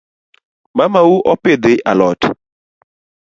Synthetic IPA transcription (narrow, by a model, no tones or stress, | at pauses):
mamauʔɔpɪd̪ɪʔa̰lɔt